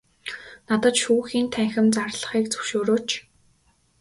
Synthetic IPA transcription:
nat̪ə̆t͡ɕʃuːxiːnt̪ʰæŋxʲɪ̆mt͡sarɮə̆χiːk̚t͡sɵ̥wʃoːɾoːt͡ɕ

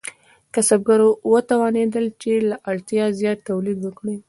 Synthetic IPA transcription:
kasab̚ɡaɾowət̪awɑned̪əlt͡ʃelaʔaɭt̪jɑzjɑt̪ːawlid̪wəkɽi

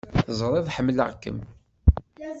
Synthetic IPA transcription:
θəzˤɾˤeðˤħəmːlə̰ʁkːə̰m

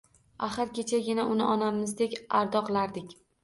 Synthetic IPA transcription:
aχɨɾkʲʰet͡ʃʰaɡʲɪnaʔʊnɪʔɒnamɪzd̪e̞kʲaɾd̪ɒqʰɨlˠaɾd̪ɪkʲ

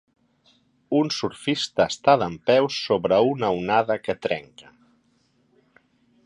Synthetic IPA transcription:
unsuɾfist̪əːst̪aðəmpɛwsːoβɾəunəwnaðəkət̪ɾɛ̰ŋkə

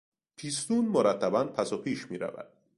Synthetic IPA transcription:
pʰiːst̪uːnmoɾæt̪ʰːæbænpʰæsopʰiːʃmiːɾæ̰væ̰d̪̥̚

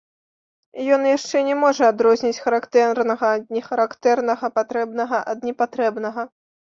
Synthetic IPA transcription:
jɔnjaʂt͡ʂɛnʲɛmɔʐɐad̪ɾɔzʲnʲit͡sʲxɐɾakt̪ɛrnɐɣɐːd̪nʲɛxɐɾakt̪ɛrnɐɣɐpat̪ɾɛbnɐɣɐʔɐd̪nʲɛpat̪ɾɛbnɐɣɐ

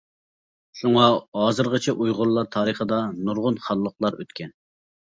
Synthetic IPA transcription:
ʃuŋɑɦɑːzɨɾʁət͡ʃʰɛʔujʁʊɾlˠɑɾt̪ʰɑːɾəχəd̪ɑnuɾʁʊnχɑlˠːəqlˠɑɾø̰t̪kʲʰɛn

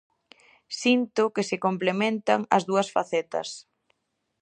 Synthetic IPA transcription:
sint̪ʊkɪsɪkomplemẽnt̪aŋɐ̰zðuɐsfa̰θɛt̪ɐ̰s

